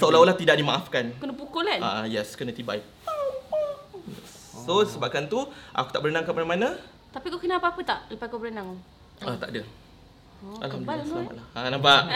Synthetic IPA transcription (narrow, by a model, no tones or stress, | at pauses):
saulawulaht̪idaʔdimaʔafkankənəpukolanajɛskənət̪ibaik̚ | jɛ̰ː | osəbap̚kant̪uʔa̰ku̥t̪aʔbəɾənaŋkamanamana | t̪apikakənaapaapət̪aʔsupaikobəɾənaŋ | at̪a̰ʔdə | a̰lamdalma̰laanabaʔ